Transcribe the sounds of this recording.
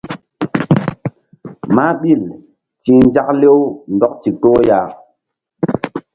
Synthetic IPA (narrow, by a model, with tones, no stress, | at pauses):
ma˦ɓi˦˨l | ti˨n˦d͡ʒa˦k̚le˦wndɔ˦k̚ti˨to˦ja˨